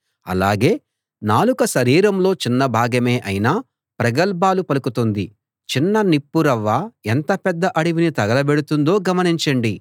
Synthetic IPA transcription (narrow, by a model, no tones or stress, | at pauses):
ɐ̰la̰ːɡe̞ː | naːlukɐʃɐɾiːɾɐmlo̞ːt͡ʃinːɐbʱaːɡɐme̞ːʔɐjinaː | pɾɐɡɐlbaːlupɐlukut̪ond̪i | t͡ʃinːɐnipːuɾɐʋːaːent̪ɐpɛd̪ːɐʔɐɽiʋinit̪ɐɡɐlɐbeɽut̪und̪o̞ːɡɐmɐniɲt͡ʃɐɳɖi